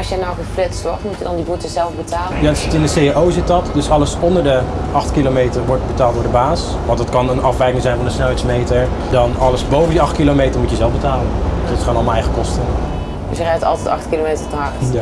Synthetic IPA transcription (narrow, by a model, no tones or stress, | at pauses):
ɑsjənɔwχəflɛtsɔtmutjədndibutəzɛlˠfbətʰaːləjaːdtsɪtɪndəsejaowzɪtɑtdɵsɑləsɔndəɹdəɑχtkilomejtəɹʋɔɹt̚bətaːlˠtdʊːɹdəbaːs | ʋɑntdɑtkɑnənɑfʋɛjkɪŋzɛjnvɑndəsnɛlˠɦɛjsmejtəɹdɑnɑləsbowvəndiɑχtkilomejtəɹmutjəzɛlˠfbətaːləndsdɑtχaːnɔlˠməɛjχəkɔstən | də̰sjərɛtɑ̰lˠtɛtɑ̰χtkilomejtəɹtəɦɑrt